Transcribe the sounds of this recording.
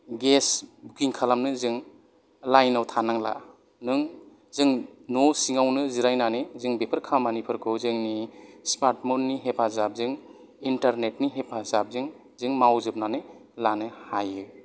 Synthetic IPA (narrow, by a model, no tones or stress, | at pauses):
ɡesbukiŋkʰalamnɯzɯŋ | lajnawtʰanaŋla̰ | nɯŋ | zɯŋnosiŋawnɯziɾajnanɯzɯŋbepʰɯɾkʰamanipʰɯɾkʰɯwzɯŋnispaɾtmunːiɦepʰazap̚zɯŋ | intaɾnet̚niɦepʰazap̚zɯŋ | zɯŋmawzɯp̚nanɯlanɯhajɯ